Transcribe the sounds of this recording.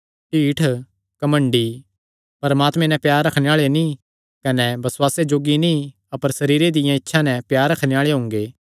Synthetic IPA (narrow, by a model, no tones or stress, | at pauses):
ʈiːʈʰ | kɐmə̃ɳɖi | pɐɾɐmaːt̪mɛ̃nɛ̃pjaːɾːɐkʰñeaːɭenĩ | kɐnɛbɐswaːsed͡ʒoːɡinĩ | ɐpəɾsɐɾiːɾed̪ɪjãɪtːʃʰanɛ̃pjaːɾːɐkʰneaːɭeɦõːŋɡeː